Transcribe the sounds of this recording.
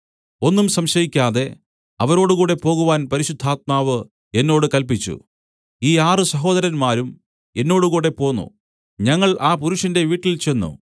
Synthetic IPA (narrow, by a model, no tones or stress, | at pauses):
o̞nːumsɐmɕɐjikʲːaːðe̞ | ɐʋɐɾo̞ːɽuɣuːɽe̞po̞ːɣuʋaːnpɐɾiɕud̪ʱːaːt̪̚maːʋɨ | e̞nːo̞ːɽɨkɐlp̬it͡ɕːṵ | iːaːrɨsɐɦo̞ːd̪ɐɾɐnmaːɾum | e̞nːo̞ːɽuɣuːɽe̞po̞ːnːṵ | ɲɐŋːɐɭʔaːpuɾuʂɐnde̞ʋiːʈːilt͡ɕe̞nːṵ